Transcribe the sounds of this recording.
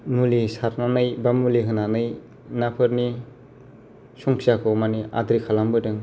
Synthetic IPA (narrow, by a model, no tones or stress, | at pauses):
mulisaɾnanɯjbamuliɦɯnanɯj | napʰɯɾni | sɔŋkʰsakʰɔmaniʔa̰dɾikʰalambɯdɯŋ